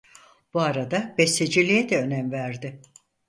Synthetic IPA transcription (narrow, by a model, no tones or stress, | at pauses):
b̥uaɾad̪abɛsed͡ʒilʲijɛd̪ɛø̞næmvæɾd̪ɪ